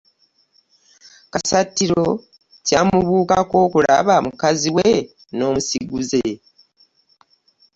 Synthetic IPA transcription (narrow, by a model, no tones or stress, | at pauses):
kasatːiɾo̞ | caːmuβuːkako̞ːkula̰βamukaziwe | no̞ːmusiɡuze̞